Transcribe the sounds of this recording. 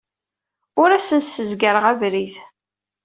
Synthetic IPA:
ʊɾæsənsəzɡəɾəʁævɾiθ

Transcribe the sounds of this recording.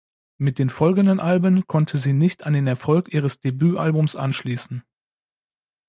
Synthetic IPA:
mɪt̚d̥eːmfɔlɡŋ̩dənʔalbənkʰɔntʰəziːnɪçtandeːnɛɐfɔlkʔiːʁ̞əsd̥ebyːʔalbʊmsʔa̰nʃliːsn̩

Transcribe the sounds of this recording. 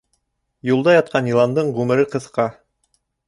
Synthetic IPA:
julˠd̪ɑjɑt̪̚qɑnilˠɑnd̪ɤɴʁʉmɘ̆ɾɘqɤ̆θqɑ

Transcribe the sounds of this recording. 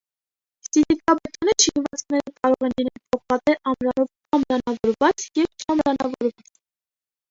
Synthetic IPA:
sizikɑbɛt̪unət͡ʃʰinvɑt͡snɛɾəkɑɾɔʁɛnlinɛlpʰɔχpɑt̪ɛʔɑmɾɑnɔv | ɑmɾɑnɑvɔɾvɑt͡sjɛvt͡ʃʼɑmɾɑnɑvɔɾvɑt͡s

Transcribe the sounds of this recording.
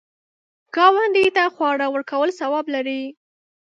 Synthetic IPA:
ɡ̥ɑwand̪it̪axwɑɽawəɾkawəlsawɑblaɾi

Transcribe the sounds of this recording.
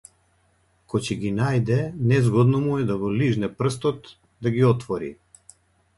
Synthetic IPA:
kɔcɛɡinajd̪ɛnɛzɡɔd̪nɔmuɛd̪aɡɔliʒnɛpr̩st̪ɔt̪ | d̪aɡiɔt̪vɔɾḭ

